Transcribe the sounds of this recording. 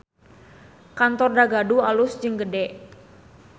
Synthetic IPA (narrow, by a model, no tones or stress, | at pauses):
kant̪ɔrdaɡadualʊsd͡ʒɨŋɡədɛʔ